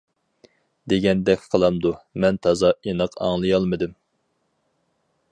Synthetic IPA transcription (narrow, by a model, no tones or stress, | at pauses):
d̪eɡʲɛnd̪ɛkʲqʰəlˠɑmd̪umɛnt̪ʰɑzɑinəqʰɑ̰ŋlˠɨjɑlˠmɨd̪ɪm